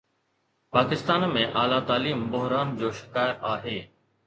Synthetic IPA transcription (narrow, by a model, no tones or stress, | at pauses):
paːkɪst̪aːnmẽːʔaːlaːt̪aːliːmbʊɦɾaːnd͡ʑoːʃɪkaːjət̪aːɦeː